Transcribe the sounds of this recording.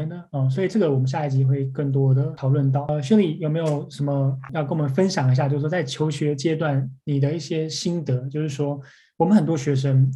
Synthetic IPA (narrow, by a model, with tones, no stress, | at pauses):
nd̪ə˨ə˥˧˩s̬wɔ˧˥i˨˩ʈ͡ʂɤ˥˩ɡə˩wɔ˨˩mə˦nɕja˥˧˩t͡ɕi˧˥xwe˥˧ɪkə˥˩ŋt̪̬wɔ˥d̪ə˨t̪ʰɑ˨˩ʊlwə˥˧nt̪̬ɑ˥˩ʊ˧ɕɥɛ˧˥li˨˩jo˨˩ʊme˧˥ɪjo˨˩ʊʂə˧˥nmə˧jɑ˥˧kə˥˩wɔ˨˩mə˧˦nfə˥nɕjɑ˨˩ŋi˧˥ɕ̬a˥˧jo˥˧ʂ̩˥˩˥t͡sa˥˩ɪt͡ɕʰjo˧˥ʊɕɥɛ˧˥t͡ɕjɛ˥t̪wa˥˩nni˨˩d̪ə˦i˥˩ɕjɛ˥ɕi˥nt̪ɤ˧˥˦t͡ɕjo˥˧ʊʂɻ̩˥˩ʂwɔ˥ | wɔ˨˩mə˦nxə˨˩nt̪wɔ˥ɕɥɛ˧˥ʂ̬ə˥n